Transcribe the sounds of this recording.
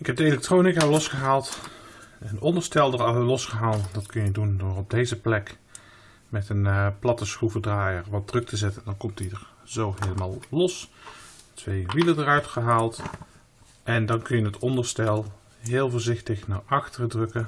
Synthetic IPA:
ɪkɛp̚dəelɛk̚trownɪkalɔsχəɦaːlˠt | ənɔndəɹstɛlˠdəlɔsχəɦaːlˠdɑtkɵnjədundʊːɹɔb̚dejzəplɛk | mɛtənplɑtəsxuvədraːjəɹʋɑt̚drɵk̚tʰəzɛtəndɑnkɔmtidəɹ | zowɦejləmaːlˠlɔs | tʰʋejʋilədərœɥtχəɦaːlˠt | ʔɛndɑnkɵnjəətɔndəɹstɛlˠ | ɦɪːlˠvʊːɹzɪxtəχnaɹɑxtərdrɵkə

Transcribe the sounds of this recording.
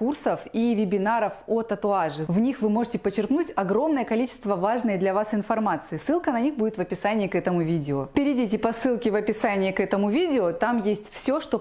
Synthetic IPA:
kursəfivʲɪbʲɪnaɾəfot̪ət̪ʊaʐɨvnʲixvɨmo̞ʐɨtʲɪpət͡ɕːɪrknutʲɐɡɾo̞mnəjəkɐlʲit͡ɕɪ̥st̪vəvaʐnəjəd̪lʲɐvasɪnfɐrmat̪sɨɪsːɨlˠkənɐnʲixbudʲɪt̪vəpʲɪsanʲɪɪkɛt̪əmʊvʲidʲɪopʲɪɾʲɪdʲit̬ʲɪpɐsːɨlˠkʲɪvɐpʲɪsanʲɪjɪkɛt̪əmʊvʲidʲɪot̪amjesʲtʲfsʲoʂt̪o

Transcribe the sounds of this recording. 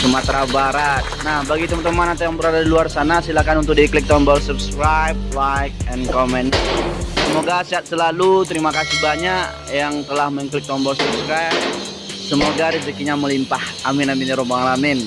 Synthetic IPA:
səmat̪ɾabaɾat̪̚nahbaɡit̪əmant̪əmanat̪awjaŋbəɾadadiluarsanasilakanunt̪ʊk̚diklɪk̚t̪ɔmbɔlsubskɾajb̚lajk̚ɛnkɔmɛnsəmoɡasiat̪̚səlalut̪əɾimakasihbaɲaʔ | jaŋt̪əlahməŋklɪk̚t̪ɔmbɔlsubskɾajb̚ | səmoɡaɾizikiɲaməlimpahʔaminaminiɾobaŋlamɪn

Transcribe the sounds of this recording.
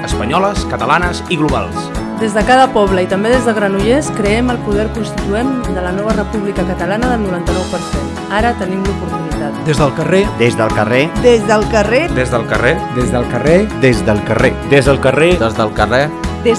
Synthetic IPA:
əspəɲɔləskət̪əlanəziɣluβa̰lˠsd̪ezðəkaðəpɔβləit̪əmbeðezðəɣɾənuʎeskɾəɛməlˠpuðɛɾkunst̪it̪uɛmd̪ələnɔβ̞ərəpuβlikəkət̪əlanəðəlˠnuɾant̪ənɔwpəɾsen | aɾət̪ənimlupuɾt̪unit̪at̪d̪ezðəlˠkəred̪ezðəlˠkəred̪ezðəlˠkəred̪ezðəlˠkə̰red̪ezðəlˠkəred̪ezðəlˠkərḛd̪ezðəlˠkəred̪əzðəlˠkərɛd̪ez

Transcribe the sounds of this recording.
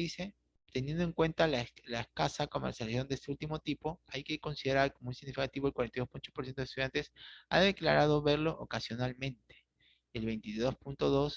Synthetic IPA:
ise̞ | t̪e̞njend̪oe̞ŋkwe̞nt̪allaeskasako̞meɾsjasjo̞nd̪est̪e̞ult̪imo̞t̪ipo̞ajke̞ko̞nsið̞e̞ɾaɾkomounsiɣnifikat̪iβolkwaɾent̪ajðospuno̥poɾsenoest̪uðjant̪esa̰ðe̞kla̰ɾað̞o̞βe̞ɾlo̞ʔo̰kasjo̞nalmẽnt̪e̥ | elβe̞jnt̪iðo̞spunt̪o̞ðo̞s

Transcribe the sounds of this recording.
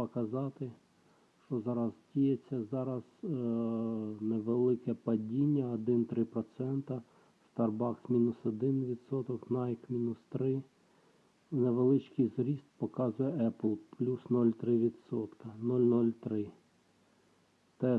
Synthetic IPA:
pɔkɐzɑt̪ɪ | ʃt͡ʃɔzɑɾɐzdʲijet͡sʲːɐzɑɾɐz | neʋelˠɪkɛpɐdʲinʲːɐɔd̪ɪnt̪ɾɪpɾɔt̪sɛnt̪ɐ | st̪ɐrbɑksmʲinʊsɔd̪ɪnʋʲid̪sɔt̪ɔknɑjkmʲinʊst̪ɾɪ | neʋelˠɪt͡ʃkijzɾʲist̪̚pɔkɑzʊjɛʔɛplˠplʲusnɔlʲt̪ɾɪʋʲid̪sɔt̪kɐnɔlʲnɔlʲt̪ɾɪ | t̪ɛ

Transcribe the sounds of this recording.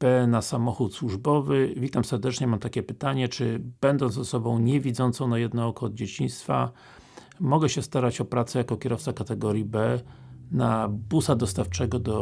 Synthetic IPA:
b̥ɛnasamɔxut̪swuʐbɔvɘvʲit̪amsɛɾd̪ɛt͡ʂɲɛmamt̪akʲɛpɘt̪aɲɛt͡ʂɘb̥ɛnd̪ɔnt̪zɔsɔbɔ̃w̃ɲɛvʲid̪zɔnt̪sɔ̃w̃najɛd̪nɔɔkɔːd̪̚d͡ʑet͡ɕiɲ̃st̪fa̰ | mɔɡɛɕɛst̪aɾat͡ɕɔpɾat̪sɛjakɔkʲɛɾɔft̪sakat̪ɛɡɔɾʲjibɛnabusad̪ɔst̪aft͡ʂɛɡɔd̪ɔ

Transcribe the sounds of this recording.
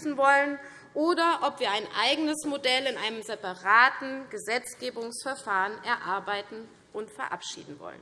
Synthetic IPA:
sn̩vɔlən | ʔoːdɐʔɔpv̥iːɐaɪnʔaɪɡənəsmodɛlɪnʔaɪnəmzɛpaʁaːtn̩ɡ̥əzɛt͡sɡ̥eːbʊŋsfɛɐfaːʁənʔɛɐʔaɐbaɪtn̩ | ʔʊntfɛɐʔa̰pʃḭːdn̩vɔ̰lə̰n

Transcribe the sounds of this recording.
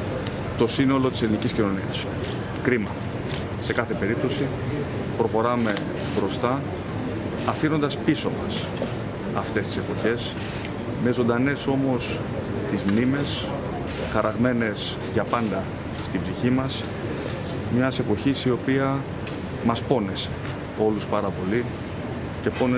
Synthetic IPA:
t̪o̞sino̞lo̞t̪ise̞liniciscino̞niɐs | kɾimɐ | se̞kɐθe̞pe̞ɾip̚t̪o̞si | pɾo̞xo̞ɾɐme̞ | bɾo̞st̪ɐ | fino̞nd̪ɐspiso̞mɐs | ɐft̪e̞st̪ise̞po̞çe̞s | me̞zo̞nd̪ɐne̞so̞mo̞s | t̪izmnime̞s | xɐɾɐɣme̞ne̞s | ʝɐpɐnd̪ɐ | st̪ibziçimɐs | mɲɐse̞po̞çisio̞piɐ | mɐspo̞ne̞se | o̞luspɐɾɐpo̞li | ce̞po̞ne

